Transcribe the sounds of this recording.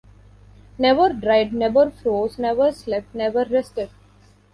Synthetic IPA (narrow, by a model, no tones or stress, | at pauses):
nɛʋəɾɖɾaɪɖnɛʋəɾfɾoːznɛʋəɾslɛp̚ʈnɛʋəɾːɛsʈeɖ